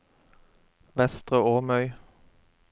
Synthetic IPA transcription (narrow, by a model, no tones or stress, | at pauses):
ʋɛst̪ʁəoːmœʏ